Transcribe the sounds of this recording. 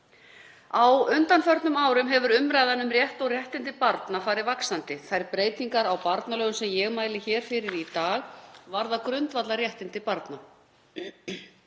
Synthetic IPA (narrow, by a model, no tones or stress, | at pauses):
awʏnt̪anfœɾt̪nʏmaːwɾʏmɦɛvʏɾʏmɾaːjðanʏmrjɛht̪ɔɣrjɛht̪ɪnt̪ɪpaɾt̪nafaːɾɪvaksant̪ɪθajɾpɾeːjt̪iŋkaɾawpaɾt̪nalœːɣʏsɛmjɛɣmaːjlɪçɛːɾ̥fɪɾɪɾit̪aːɣvaɾðakɾʏnt̪vat̪laɾjɛht̪ɪnt̪ɪpaɾt̪na